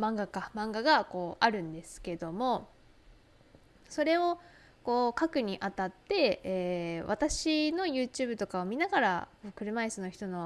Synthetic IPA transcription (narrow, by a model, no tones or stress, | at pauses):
mãŋɡakamãŋɡaɡako̞ːʔaɾɯ̟̃nd̪e̞sɨ̥ke̞d̪o̞mo̞ | so̞ɾe̞o̞ | ko̞ːkakɯ̟ɲ̟iʔat̪at̪ːe̞eːβa̰t̪aɕino̞jɯ̟ːt͡ɕɨːbɯ̟t̪o̞kaomʲinaɡaɾa̰koːkɯ̟ɾɯ̟maesɨno̞çi̥t̪o̞no̞